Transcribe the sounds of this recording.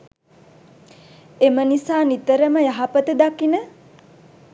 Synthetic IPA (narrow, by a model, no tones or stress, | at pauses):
emənisaːnit̪əɾəməjaɦapət̪əd̪akːinə